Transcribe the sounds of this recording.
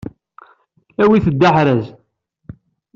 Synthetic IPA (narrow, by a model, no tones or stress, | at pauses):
æwiθəd̪ːaħɾæz